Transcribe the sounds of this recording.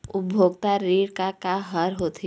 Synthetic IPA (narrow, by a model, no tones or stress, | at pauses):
ʊbʱoːɡt̪aɾiːɽkakaɦəɾɦoːt̪ʰ